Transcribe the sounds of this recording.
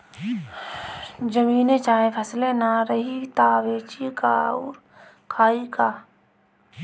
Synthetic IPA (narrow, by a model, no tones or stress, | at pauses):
d͡ʒəmiːnet͡ʃaːɦepʰɐslenaɾəɦit̪aʋeːt͡ʃika̰ɔːɾ | kʰaːikaː